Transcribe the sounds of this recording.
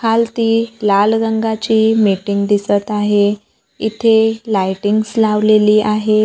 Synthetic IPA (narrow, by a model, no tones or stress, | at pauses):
kalt̪iːlalɡəŋɡat͡ɕiːmiʈiŋɡd̪isət̪aɦe | it̪ʰelajʈiŋɡslaʋleliːʔaɦe